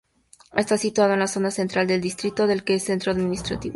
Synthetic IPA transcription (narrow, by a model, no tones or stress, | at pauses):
est̪asit̪wað̞oenlaso̞nase̞nt̪ɾald̪e̞ld̪ist̪ɾit̪o̞ðe̞lkesent̪ɾoaðmĩnist̪ɾat̪iβo